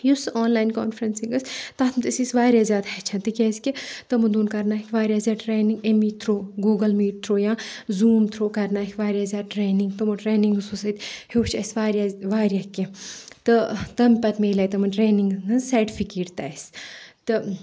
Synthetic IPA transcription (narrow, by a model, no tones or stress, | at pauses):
jusoːnlaːjnko̰ːnfɾɐnsiŋɡɐsʲt̪aːt̪ʰmt̪ɨsisʋaːɾjaːzʲjaːd̪hɐt͡ʃʰɐnt̪ɨkʲeːsʲket̪ɐmud̪uːnkɐɾnaːikʰʲʋaːɾjaːzʲaːʈɾeːniŋɡemiːt̪ʰɾoːɡuːɡɐlmiːʈ̚t̪ʰɾoːjãːzuːmt̪ʰɾoːkɐɾnaːikʰʲʋaːɾʲjaːzʲjaːd̪̚ʈɾeːniŋɡt̪ɐmuʈɾeːniŋɡususɐt̪heːʈt͡ʃʰɐsʋaːɾʲjaʋaːɾjaket̪ɨt̪ɐmpɐt̪meːlɐːjt̪ɐmɐnʈɾeːniŋɡnɨsɐɾʈifʰikeːʈt̪a̰ːst̪ɨ